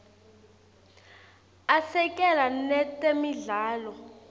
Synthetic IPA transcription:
asɛkʼɛlanɛtʼemiɮaːlɔ

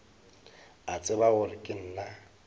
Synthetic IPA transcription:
at͡sʼɪbaɣʊlɪkʼɪn̩la

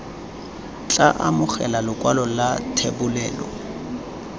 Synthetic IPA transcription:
t͡ɬʼaʔamʊχɛlalʊkʼwalɔlatʰebʊlɛːlɔ̰

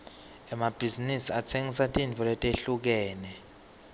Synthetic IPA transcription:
ɛmab̥ʱizinisiatʰeŋis̬atʼint͡fʰɔlɛtʼeɬuk̬ɛːnɛ

